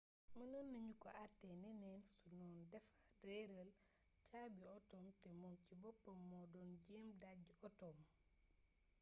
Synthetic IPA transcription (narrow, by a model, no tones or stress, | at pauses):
mɐnɔnːɐɲukɔ̰ʔatːɛnɛnɛːnsunɔːndɛfḁ | dɛɾəl | t͡ʃabiɔtɔːmtɛmɔmcibɔpːɐmːɔdɔnɟɛmdaɟɔtɔːm